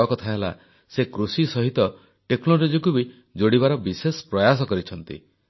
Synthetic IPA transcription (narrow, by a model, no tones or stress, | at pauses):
ɔkɔt̪ʰaɦela̰ | sekɾusisɔɦit̪ɔ | ʈeknolod͡ʒɔkubi | d͡ʒoɽibaɾɔbisespɾɔjasɔkɔɾit͡ʃʰɔnt̪ḭ